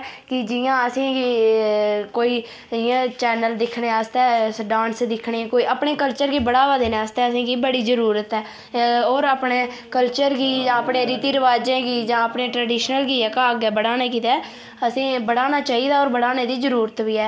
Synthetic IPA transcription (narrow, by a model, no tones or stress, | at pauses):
kɪd͡ʒɪjãːəsĩː | koːiː | ɪjãːt͡ʃɛːnəld̪ɪkʰɽeːaːst̪ɛːsɖãːnsd̪ɪkʰɳeːkoːiːʔaːpɳeːkəlt͡ʃəɾɡiːbəɽaːʋaːd̪eːneaːst̪ɛːəsĩːkiːbəɽiːzəɾuːɾət̪ɛː | oːɾaːpɳeː | kəlt͡ʃəɾɡiːd͡ʒãːəpɳeːɾiːt̪iːɾəʋaːd͡ʒẽːkiːd͡ʒãːəpɳeːʈɾəːɖiːʃnəlɡiːɛːkaːɡɛːbəɽaːneːkiːt̪ɛː | əsĩːbəɽaːnaːt͡ʃaːiːd̪aːoːɾbəɽaːneːd̪iːzəɾuːɾət̪ʋiːɛː